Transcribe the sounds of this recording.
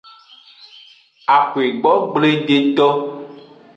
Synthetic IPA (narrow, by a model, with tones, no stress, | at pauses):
a˨xe˨ɡ͡bɔ˨˦ɡ͡ble˦ɖe˨t̪ɔ˦